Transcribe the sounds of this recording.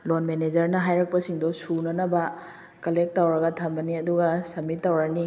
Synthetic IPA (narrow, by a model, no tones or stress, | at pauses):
lonmened͡ʒɐɾnɐɦajɾɐk̚pɐsiŋdɔsunɐnɐbɐ | kɐlek̚tːawɾɐɡɐtʰɐmbɐniɐduɡɐsɐmitːawɾɐni